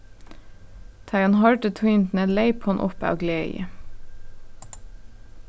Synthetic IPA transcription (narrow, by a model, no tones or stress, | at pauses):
t̪ʰɑɪɑnhɑɹʈət̪ʰʏnt̪n̩əleɪphɑnʔʊ̰pɑ̰ːɡlḛːə̰